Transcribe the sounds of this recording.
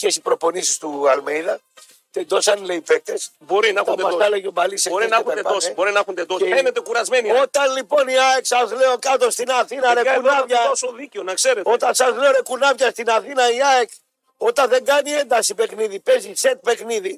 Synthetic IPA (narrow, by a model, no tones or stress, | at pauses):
cesipɾo̞po̞nisi̥st̪uɐlmejðɐ | t̪end̪o̞sɐnleipek̚t̪es | bo̞ɾinɐxɐd̪ɐsseleʝomɐliseo̞ɾinɐxud̪eosbo̞ɾinɐxund̪ed̪osenet̪ekuɾɐzme̞nio̞t̪ɐnlipo̞niɐeksɐzle̞o̞kɐt̪o̞st̪inɐθinɐɾeunɐvʝɐosoðiceonɐkse̞ɾet̪o̞t̪ɐnsɐzle̞o̞ɾe̞kunɐvʝɐst̪inɐθinɐiɐek | o̞t̪ɐnðe̞ŋɡɐnie̞nd̪ɐsipe̞kniðipe̞ziset̪̚pe̞kniði